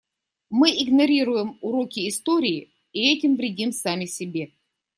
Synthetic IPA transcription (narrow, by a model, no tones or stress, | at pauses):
mɨɪɡnɐɾʲiɾʊjɪmʊɾo̞kʲɪːst̪oɾʲɪːɪ | iɛtʲɪmvɾʲɪdʲimsamʲɪsʲɪbʲe̞